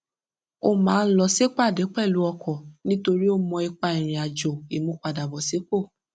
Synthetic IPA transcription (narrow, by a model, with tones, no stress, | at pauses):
o˦˨mãː˨˦˧lɔ˧se˦k͡pa˦˨de˨˦k͡pɛ˦˨lu˨˦ɔ˧kʰɔ˨nĩ˦to˧ɾi˦o˦mɔ̃˧i˧k͡pa˧i˨ɾ̃ĩ˨a˨d͡ʒo˨i˨mũ˧k͡pa˨da˨bɔ˨se˨˦k͡po˦˨